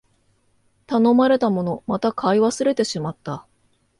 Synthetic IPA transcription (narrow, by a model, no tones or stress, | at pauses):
t̪ano̞maɾe̞t̪amo̞no̞mat̪akʰaiβasɨɾe̞t̪e̞ɕimat̪ːa